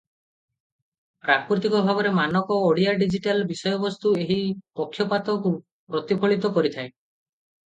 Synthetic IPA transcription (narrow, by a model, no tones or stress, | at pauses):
pɾakuɾt̪ikɔbʱaβɔɾemanɔkɔoɽijaɖid͡ʒiʈalbisɔjɔbɔst̪ueɦipɔkʰːjɔpat̪ɔku | pɾɔt̪ipʰɔɭit̪ɔkɔɾit̪ʰae